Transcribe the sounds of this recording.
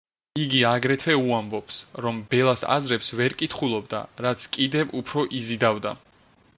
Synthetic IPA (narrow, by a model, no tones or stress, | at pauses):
iɡiaɡɾɛt̪ʰvɛuambɔpsɾɔmbɛlˠasa̰zɾɛpsvɛɾkʼit̪ʰχulˠɔb̚d̪a̰ɾat̪sʰkʼid̪ɛvupʰɾɔʔizid̪avd̪a̰